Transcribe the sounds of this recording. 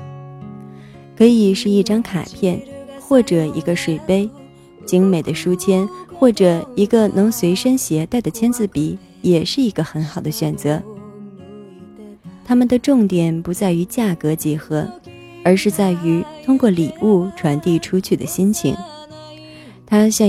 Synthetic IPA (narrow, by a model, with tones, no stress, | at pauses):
kʰɤ˧˥i˨˩ʂɻ̩˥˧i˥˩ʈ͡ʂɑ˥ŋkʰa̰˨˩pʰjɛ˥˩nxwɔ˥˩ʈ͡ʂɤ˨˩i˧˥ɡə˧ʂwe˨˩ɪpe˥ɪ | t͡ɕi˧˥ŋme˨˩ɪd̪ə˦ʂu˥t͡ɕʰjɛ˥nxwɔ˥˩ʈ͡ʂɤ˨˩i˧˥ɡə˧nɤ˧˥ŋswe˧˥ɪʂə˥ŋɕjɛ˧˥t̪a˥˩ɪd̪ə˩t͡ɕʰjɛ˥nt͡sɹ̩˥˩pi˧˥ | jɛ˨˩ʂɻ̩˥˩i˧˥ɡə˧xə˧˥nxɑ˨˩ʊd̪ə˦ɕɥɛ˨˩nt͡sɤ˧˥ | t̪ʰa˥mə˨nd̪ə˩ʈ͡ʂʊ˥˩ŋt̪jɛ˨˩npu˧˥t͡sa˥˩ɪy˧˥t͡ɕja˥˩kɤ˧˥t͡ɕjɛ˧˥xɤ˧˥ | ə˞˧˥ʂɻ̩˥˧t͡sa˥˩ɪy˧˥t̪ʰʊ˥ŋkwɔ˥˩li˨˩u˥˩ʈ͡ʂʰwa˧˥nt̪i˥˩ʈ͡ʂʰu˥t͡ɕʰy˥˩d̪ə̰˩ɕi˥nt͡ɕʰḭ˧˥ŋ | t̪ʰa˥ɕjɑ˥˧